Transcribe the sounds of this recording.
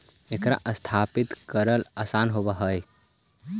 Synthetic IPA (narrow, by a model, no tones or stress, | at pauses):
ekɾa̰ʔəst̪ʰaːpɪt̪kəɾəlaːsaːnɦobaɦəj